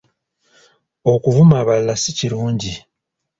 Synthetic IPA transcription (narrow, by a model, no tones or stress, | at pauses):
o̞kuvumaːβalːasiciɾuːɲɟi